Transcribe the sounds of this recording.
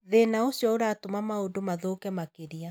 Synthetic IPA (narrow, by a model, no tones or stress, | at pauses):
ðenaoɕjɔoɾaːtomamaodomaðokɛmakeɾia